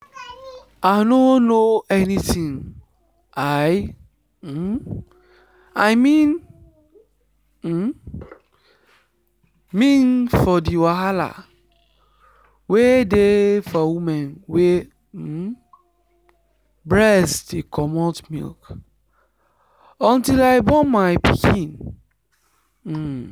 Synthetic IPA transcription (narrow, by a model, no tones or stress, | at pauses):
anonoɛnitĩŋ | aj̩ | ajmĩn | mĩnfɔdiwaɦala̰ | wedefɔwumɛ̃nwe | bɹɛsdekʰɔmɔtmḭlk | ɔ̃ntilaɪbɔmaɪpikʰĩn